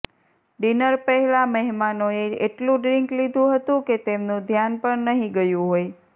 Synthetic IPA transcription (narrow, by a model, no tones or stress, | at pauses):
ɖinəɾpəɦɛlaməɦimanoeeʈlũɖɾɪŋklid̪ʱũɦət̪ũket̪emnũd̪ʱjanpəɳnəɦĩɡəjũɦoj